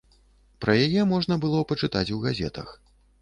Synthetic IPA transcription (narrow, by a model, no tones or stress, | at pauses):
pɾɐjajɛmɔʐnɐbɨlˠɔpɐt͡ʂɨt̪at͡sʲuɣazʲɛ̰t̪ɐ̰x